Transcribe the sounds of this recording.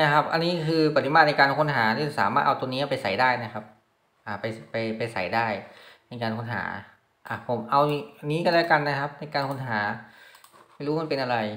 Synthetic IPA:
na˦˥˩kʰa˦˥p̚ʔa˧nːiː˦˥kʰɯː˧pa˧t̪ʰːi˧˦maː˧˩na˧kaː˧nkʰo˧˥nɦaː˩˦niː˦˥˩sa̰ː˩˦maː˥˩t̪ʔa˧t̪u˧niː˦˥a˧˩pa˧jsa̰˩jdaː˥˩jna˦˥kʰa˦˥p̚ | ʔaː˨˩pa˧jpa˧jpa˧jsa̰˨˩˦jdaː˥˩jna˧jkaː˧nkʰo˧˥nɦa̰ː˩˦ | ʔa˧˩pʰo˩˦mʔa˧wʔa˧niː˦˥kɔː˥˩lɛ˦˥wka˧nːa˦˥kʰa˦˥p̚na˧jkaː˧nkʰo˧˥nɦaː˩˦ | ma˥˩jɾuː˦˥ma˥npe˧nʔa˧ɾa˧j

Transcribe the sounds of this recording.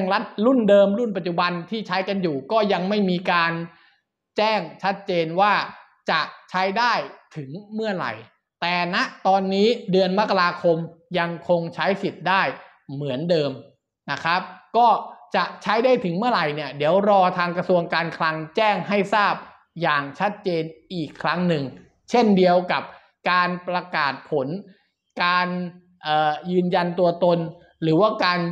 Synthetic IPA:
ŋla˦˥t̪̚ɾu˥˩ndɤː˧mɾu˥˩npa˨˩t̪̚t͡ɕu˨˩ba˧nt̪ʰiː˥˩t͡ɕʰa˦˥jka˧njuː˨˩kɔː˥˩ja˧ŋma˥˩jmiː˧kaː˧n | t͡ɕɛː˥˩ŋt͡ɕʰa˦˥t̪̚t͡ɕeː˧nwaː˥˩ | t͡ɕa˨˩t͡ɕʰa˦˥jdaː˥˩jt̪ʰɯ˩˦ŋmɯ˥˩ɐɾa̰˨˩j | t̪ɛː˨˩na˦˥ʔt̪ɔː˧nːiː˦˥dɯ˧ənma˦˥kːa˧ɾaː˧kʰo˧mja˧ŋkʰo˧ŋt͡ɕʰa˦˥jsi˨˩t̪̚daː˥˩j | mɯ˩˦əndɤː˧m | na˦˥kʰɾa˦˥p̚kɔː˥˩t͡ɕa˨˩ʔt͡ɕʰa˦˥jdaː˥˩jt̪ʰɯ˩˦ŋmɯ˥˩ɐɾa˨˩jni˥˩ɐdi˩˦əwɾɔː˧t̪ʰaː˧ŋkɾa˧su˧əŋkaː˧nkʰla˧ŋt͡ɕɛː˥˩ŋɦa˥˩jsaː˥˩p̚ | jaː˨˩ŋt͡ɕʰa˦˥t̪̚t͡ɕeː˧nʔiː˨˩kʰːɾa˦˥ŋnɯ˨˩ŋ | t͡ɕʰe˥˩ndi˧əwka˨˩p̚ | kaː˧npɾa˧kaː˨˩t̪̚pʰo˩˦n | kaː˧n | ʔəː˨˩jɯː˧nja˧nt̪u˧ɐt̪o˧n | ɾɯː˩˦waː˥˩kaː˧n

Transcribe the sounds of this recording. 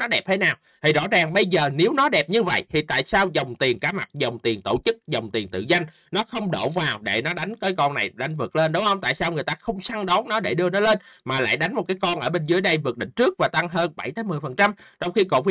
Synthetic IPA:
nɔ˨˦ɗɛ˨˩p̚t̪ʰe˨˦naː˨˩w | t̪ʰi˨˩zɔ̰˧˥zaː˨˩ŋɓə˧jzəː˨˩ne˨˦wnɔ˨˦ɗɛ˨˩p̚ɲɨ˧və̰˧˨jt̪ʰi˨˩t̪a̰ː˧˨jsaː˧wzə˨˩wŋ͡mt̪i˨˩ənkaː˨˦ma˨˩t̚zə˨˩wŋ͡mt̪i˨˩ənt̪o˧˩t͡ɕɨ˦˥k̚zə˨˩wŋ͡mt̪i˨˩nt̪ɨ̰˧˨za˧jŋ̟ | nɔ˨˦xə˧wŋ͡mɗo̰˧˩vaː˨˩wɗḛ˧˩nɔ˨˦ɗa˨˦jŋ̟kaː˨˦jkɔ˧nːa˨˩jɗa˧˨˦jŋ̟vɨ˨˩k̚le˧nɗʊ˨˦whə˧wŋ͡mt̪a̰ː˧˨jsaː˧wŋɨ˨˩əjt̪aː˧xə˧wŋ͡msa˧ŋɗɔ˨˦wnɔ˨˦ɗe˧˩ɗɨ˧ənɔ˨˦le˧nmaː˨˩la̰ː˧˨jɗa˨˦ŋ̟mo˨˩kaː˨˦jkɔ˧nʔəː˧˩ɓe˧nzɨ˨˦jɗə˧jvɨ˨˩ək̚ɗḭ̈˧˨ŋ̟t͡ɕɨ˦˥ək̚vaː˨˩t̪a˧ŋɦəː˧nɓa˧˩jt̪ʰaː˨˦mɨ˨˩jfə˨˩nt͡ɕa˧mt͡ɕwŋ͡mxi˧ko̰˧˨˩kwi˧˦

